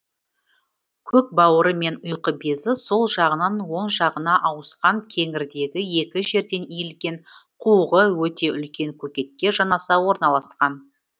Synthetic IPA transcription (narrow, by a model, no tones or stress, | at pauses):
kʲʰɵk̚bɑwəɾəme̞nʊjqəbe̞zɪso̞lˠʒɑʁənɑnwo̞ɴʒɑʁənɑʔɑwəsqɑŋkʲʰe̞ŋɪɾd̪e̞ɡʲɪje̞kʲɪʒe̞ɾd̪e̞nijɪlɡʲe̞ɴqʰuʁəwɵt̪e̞ʔʏlkʲe̞ŋkʲʰɵkʲe̞t̪̚kʲe̞ʒɑnɑsɑwo̞ɾnɑlˠɑsqɑn